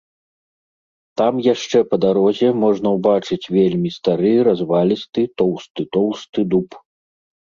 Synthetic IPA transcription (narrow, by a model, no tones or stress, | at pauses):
t̪amjaʂt͡ʂɛpɐd̪aɾɔzʲɛmɔʐnɐwbat͡ʂɨt͡sʲvʲelʲmʲist̪aɾɨjɾazvalʲist̪ɨt̪ɔwst̪ɨt̪ɔwst̪ɨd̪up